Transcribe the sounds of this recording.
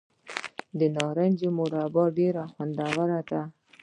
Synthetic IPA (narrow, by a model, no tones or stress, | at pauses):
d̪ənɑɾand͡ʒemʊɾabɑɖeɾaxwand̪awaɾad̪a